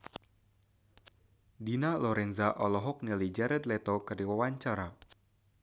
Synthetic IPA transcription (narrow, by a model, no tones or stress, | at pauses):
dinalɔɾɛnzaʔɔlɔɦɔk̚nilid͡ʒɛɾɛt̪lɛt̪ɔkɨrdiwawaɲt͡ʃaɾa